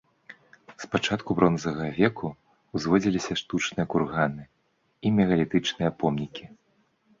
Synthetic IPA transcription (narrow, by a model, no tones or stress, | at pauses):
spat͡ʂat̪kubɾɔnzɐɣɐvʲɛku | wzvɔd͡zʲilʲisʲɐʂt̪ut͡ʂnɨjɐkurɣanɨ | imʲɛɣɐlʲit̪ɨt͡ʂnɨjɐpɔmnʲikʲi